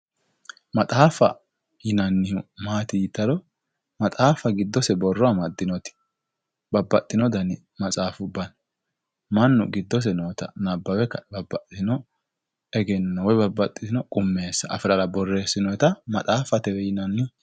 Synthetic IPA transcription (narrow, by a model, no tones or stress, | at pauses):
mɐt̪ʼaːfɐ̰ | jɪnɐnːɪmaːt̪ɪjɪt̪ːɐlɔ | mɐt̪ʼaːfɐɡɪd̪ːɔsɛbɔrːɔɐmɐd̪ːɪnɔt̪ɪ̥ | bɐbːɐt̪ʼːɪnɔd̪ɐnɪ | mɐt͡sʼaːfʊbːɐn | mɐnːʊɡɪd̪ːɔs̬ɛnoːt̪ɐ̰nɐbːɐwɛkːɐbɐbːɐt̪ʼːɪnɔ | ɛɡɛnːɐwɔjbɐbːɐt̪ʼːɪsɪnɔkʼʊmːe̞ːsːɐɐ̰fɪɾɐlɐbɔrːe̞ːsːɪnɔɛt̪ɐmɐt̪ʼaːfɐt̪ɛwɛjɪnɐnːɪ